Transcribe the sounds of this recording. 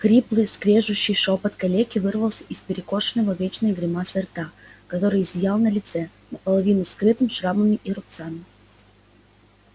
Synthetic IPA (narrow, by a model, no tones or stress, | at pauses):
kɾʲiplˠɨjskɾʲeʐʊɕːɪjʂopət̪kɐlʲekʲɪvɨrvəlˠsʲə̥ʔɪspʲɪɾʲɪko̞ʂɨnːəvəvʲet͡ɕnəjɡɾʲɪmasɐrt̪akɐt̪o̞ɾɨjzʲjalˠnəlʲɪt̪sɛ | nəpəlˠɐvʲinʊskɾɨt̪ɨmʲʂɾaməmʲɪʔɪɾʊp̚t̪samʲɪ